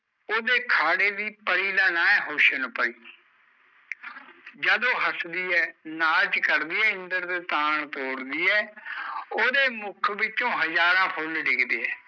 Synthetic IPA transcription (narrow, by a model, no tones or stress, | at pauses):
oːd̪eːkʰaːɽeːd̪iːpəɽiːlaːnaːɛːɦoːʃənpəɽiː | d͡ʒəd̪õːɦəsd̪iːɛːnaːd͡ʒkəɾd̪iːɛːɪ̃nd̪əɾt̪eːt̪aːɳt̪oːɽd̪iːɛː | oːd̪eːmʊkʰʋɪt͡ʃõːɦəzaːɾãːpʰʊlɖɪɡd̪eːɛː